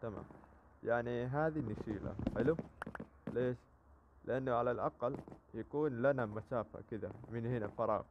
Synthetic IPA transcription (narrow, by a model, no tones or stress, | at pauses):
t̪ama̰ːm | jaʕniɦaːd̪inːaʃiːla̰ħɪlu | leːʃ | lɪʔanːaʕalalʔɑqɑljakuːnlanamaʃaːfa̰kɪd̪a̰mɪnhɪnafɑɾˤɑ̰ːɣ